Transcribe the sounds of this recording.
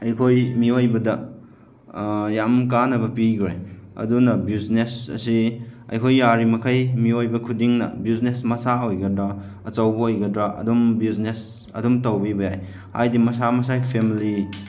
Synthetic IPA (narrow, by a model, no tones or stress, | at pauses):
ɐjkʰojmiojbɐdɐ | jamkanɐβɐpiɡɾeɐ̰dunɐbiznesɐ̰siɐ̰jkʰojːaɾimɐkʰajmiojbɐkʰudiŋnɐ̰biznesmɐsaojɡɐdɾɐ | ɐt͡ʃɐwbɐojɡɐdɾaɐ̰dumbiznes | ɐ̰dumtɐwbibɐjaj | ha̰jdimɐsamɐsajpʰemili